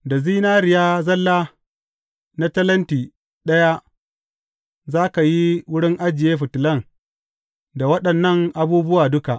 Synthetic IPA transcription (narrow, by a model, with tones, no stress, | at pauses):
da˨ziː˦naː˦ɾɪ˨jaː˦zɐ˦lːaː˦ | na˦tɐ˦lɐ˦ntiː˨ | ɗɐ˦ja˦ | zaː˦ka˨ji˦wʊ˦ɽɪ˦ŋʔa˦d͡ʒɪ˨jeː˦ɸʊ˨tɪ˨lɐ˦ŋ | da˨wɐ˦ɗɐ˨nːɐ˦˨ŋʔa˨buː˦bʊ˦waː˨dʊ˦ka˨ʔ